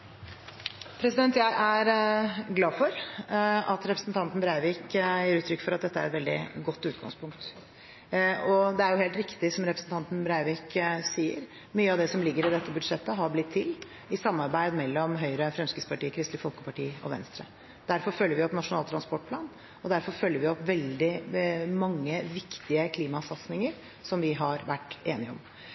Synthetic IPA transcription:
pʰɾɛsɪd̪ɛnt̪jæɪʔæɾɡlɑːfɔɾ | ɑt̪ɾɛpɾəsn̩t̪ʰɑnt̪n̩bɾæɪʋiːkjiːɾʉːt̪ɾʏkːfɔɾɑt̪̚d̪ɛt̪ːəæɾɛt̪ʋɛld̪ɪ̰ɡɔt̪ːʉːt̪̚ɡɑ̰ŋspʰʊŋk̚t̪ | ɔd̪ɛæɾjʊheːlt̪ɾɪkt̪ɪsɔmɾɛpɾəsn̩t̪ʰɑnt̪n̩bɾæɪʋɪːksiːəɾ | myːəɑʋd̪ɛsɔmlɪɡːəɾɪd̪ɛt̪ːəbʉd̪ʂɛt̪ːəɦɑɾblɪt̪ʰːɪl | ɪsɑmːɑɾbæɪd̪mɛlːɔmɦœʏɾəfɾɛmskɾɪt̪spʰɑʈiːəkʰɾɪst̪lɪfɔlˠkəpɑʈiːɔ̰ʋɛ̰nst̪ɾə̰ | d̪̥æɾfɔɾfœlːəɾʋɪɔpːnɑʂʊnɑːlt̪ʰɾɑnspɔʈ̚ːpʰlɑːn | ɔd̪æɾfɔɾfœlːjəɾʋɪɔpːʋɛld̪ɪmɑŋːəʋɪkt̪ɪəkʰliːmɑsɑt̪snɪŋəɾ | sɔmʋɪɦɑɾʋæʈːeːnɪɔ̰m

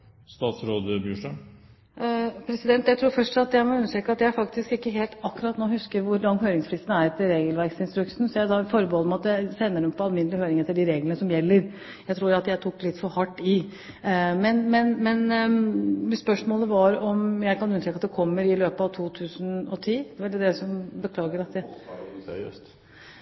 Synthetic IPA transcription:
st̪ɑːt̪sɾoːd̪əbyːʂʈɑm | pʰɾɛsɪd̪ɛnt̪jæɪt̪ʰɾuːɾfœʂʈɑt̪jæɪmɔʉnːəʂʈɾeːkɑt̪jææɾfɑkt̪ɪskɪkːəɦeːlt̪ɑkːʉɾɑt̪noːhʉskəɾʋʊɾlɑŋːɦøːɾɪŋsflɪst̪n̩æɾɛt̪ːəɾeːɡəlʋæɾɡsɪnst̪ɾʉksn̩sɔjæd̪ɑfɔɾbəhɔləmɑt̪dæsɛnːəɖɛmpʰɔɑlmɪnd̪lɪhøːɾɪŋɛt̪ːəɖɪɾeːɡlənəsɔmjɛlːəɾ | jæɪt̪ʰɾuːɾɑt̪jæɪt̪ʰukːlɪt̪ːfɔɾhɑʈːɪ | mɛnmɛnmɛn | spœʂmoːləʋɑɾɔmjæɪkʰɑnʉnːəʂɾɛːkːɑt̪d̪ɛkʰɔmːəɾɪløːpəɑʋt̪ʰuːt̪ʰʉːsənɔt̪ʰiːd̪ɛʋɛlɪd̪ɛsɔmbəkʰlɑːɡəɾɑt̪ | ø̰st̪

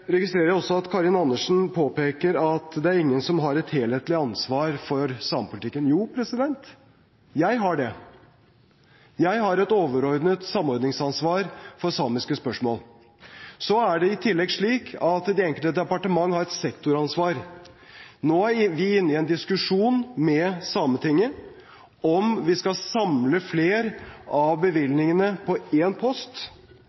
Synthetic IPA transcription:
ɾɛɡɪst̪ɾeːɾəɾjæɔsːɔɑt̪kʰɑɾɪnɑnːəʂn̩pʰoːpeːkəɾɑt̪d̪ɛæɾɪŋːənsɔmɦɑɾɛt̪heːlheːt̪lɪɑnsʋɑːɾfɔɾsɑːməpʊlɪt̪ɪkːənjuːpʰɾɛsɪd̪ɛnt̪ | jæɪɦɑɖɛ | jæɪɦɑɾɛt̪oːʋəɾɔɾd̪nət̪sɑmːɔɾd̪nɪŋsɑnsʋɑːɾfɔɾsɑːmɪskəspœʂmoːl | sɔæɖɛɪt̪ʰɪlːɛɡʂɭiːkʰɑt̪d̪ɛɛŋkəlt̪əd̪ɛpɑʈəmɑŋːhɑɾɛt̪sɛkt̪ʊɾɑnsʋɑːɾ | noːʋɪɪnːɪɛnd̪ɪskʉʂuːnmɛsɑːmət̪ʰɪŋːə | ɔmʋɪskɑsɑmləfleːɾɑʋbəʋɪlnɪŋənəpʰɔeːnpʰɔst̪

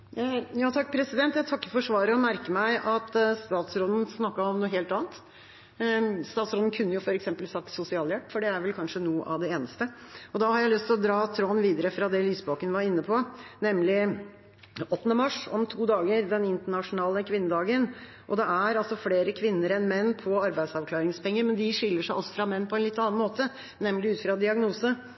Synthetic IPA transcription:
jɑːt̪ʰɑk̚ːpʰɾɛsɪd̪ɛnt̪jæɪt̪ʰɑkːəfɔʂʋɑːɾəɔmæɾkəmæɪʔɑt̪st̪ɑːt̪sɾod̪n̩snɑkːɑɔmnuːɦeːlt̪ɑːnt̪ | st̪ɑːt̪sɾoːd̪n̩kʰʉnːəjʊfɔɾɛksɛmpəlsɑkt̪ːsʊsɪɑːljæʈːfɔɖɛæɾʋɛlkʰɑnʂənuːəʔɑʋd̪ɛeːnəst̪əɔd̪ɑhɑɾjæɪlʏst̪ʰɪlɔd̪ɾɑːt̪ʰɾoːnʋiːd̪əɾəfɾɑd̪ɛlyːsboːkənʋɑɾɪnːəpʰɔnɛmlɪ | ɔt̪ːnəmɑʂɔ̰mt̪ʰuːd̪ɑːɡəɾd̪ɛnɪnt̪əɳɑʂʊnɑːləkʰʋɪnːəd̪ɑːɡən | ʔɔd̪ɛʔæɾɑlsɔfleːɾəkʰʋɪnːəɾɛnmɛnːpʰɔɑɾbæɪsɑʋkʰlɑːɾɪŋspʰɛŋːəɾmɛnd̪ɪʂɪlːəʂæɪɑ̰lsɔ̥fɾɑmɛnːpʰɔɛnlɪt̪ːɑnɑnmoːt̪ə | nɛmːlɪʉːt̪fɾɑd̪ɪɑɡnuːsə

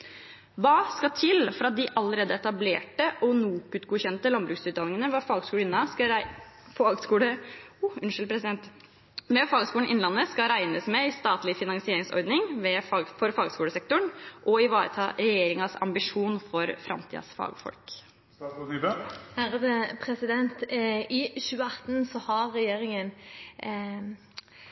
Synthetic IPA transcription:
ʋɑːskɑt̪ʰɪlfɔɾɑt̪̚d̪ɪʔɑləɾeːd̪əɛt̪ɑbleːʈəʔɔnuːkʉːt̪ɡuːçɛnt̪əlɑnbɾʉːksʉːt̪̚ɑnɪŋənəʋɑfɑːɡskuːləɪnːɑskɑ | fɑːɡskuːɽəʊʉnʂlpʰɾɛsɪd̪ɛnt̪ | ʋɛfɑːɡskuːəɳ̩ʔɪnlɑnːəskɑɾæɪnəsmɛɪst̪ɑːt̪lɪfɪnɑŋsɪeːɾɪŋsɔ̰ɾd̪nɪŋʋɛfɑɡfɔɾfɑːɡskuːləsɛk̚t̪ʊɳʔɔɪʋɑːɾə̰t̪ʰɑːɾɛjeːɾɪŋɑsɑ̰mbɪʂuːnfɔɾfɾɑ̰mt̪ʰḭːd̪ɑ̰sfɑ̰ːɡfɔ̰lkː | hæɾəd̪əpʰɾɛsɪd̪ɛnt̪ɪçʉːəɑt̪ːnsɔhɑɾːɛjeːɾɪŋən

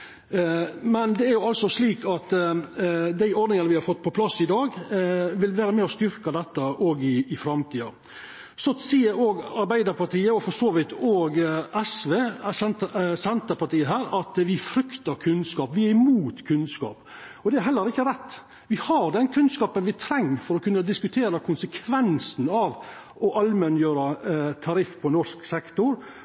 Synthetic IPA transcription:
mɛnd̪ɛæɾjʊɑlsɔsliːkɑt̪ | d̪æɪɔɖ̪nɪŋənəʋɪhɑɾfɔt̪ːpʰɔpʰlɑsːɪd̪ɑːɡʋɪlʋæːɾəmeːɔst̪ʏɾkɑd̪ɛt̪ːɑʔoːɡɪːfɾɑmt̪ʰiːɑ | sɔsiːəɾoːɡɑɾbæɪd̪əɾpɑʈ̪iːəɔfɔʂoːʋɪt̪oːɡʔɛsʋeːsɛnt̪sɛnt̪əpɑʈ̪iːəɦæːɾɑt̪ʋɪfɾʏkt̪ɑɾkʰʉnskɑːpʋɪæɾɪmuːt̪kʰʉnskɑ̰ːpɔd̪ɛæɾɦɛlːəɾɪkːəɾɛt̪ː | ʋɪhɑɾd̪ɛnkʰʉnskɑːpənʋɪt̪ʰɾɛŋːfɔɾɔkʉnːəd̪ɪskʉt̪ʰeːɾɑkʰʊnsəkʰʋɛnsn̩ɑʋ | ɔʔɑlmɛnjøːɾɑt̪ʰɑɾɪfːpʰɔnɔʂksɛkt̪ʊɾ

